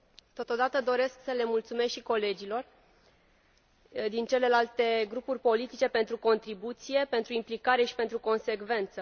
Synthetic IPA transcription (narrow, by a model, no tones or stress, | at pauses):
t̪o̞t̪o̞d̪at̪əd̪o̞ɾe̞sksəle̞mult̪sume̞sʃiko̞le̞d͡ʒilo̞r | d̪int͡ʃe̞le̞lalt̪e̞ɡɾupurʲpo̞lit̪it͡ʃe̞pe̞nt̪ɾuko̞nt̪ɾibut̪sije̞pe̞nt̪ɾuimplikaɾe̞ʃi̥pe̞nt̪ɾuko̞nse̞kve̞nt̪sə